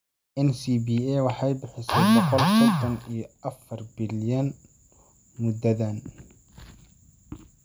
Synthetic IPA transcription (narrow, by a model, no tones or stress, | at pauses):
ʔɛnsibiːɛwɑħɑjbɪħɪsɛbɔqɔlsɔd̪ɐnijɔɐfɐrbɪljɐn | mʊd̪ɐðɐn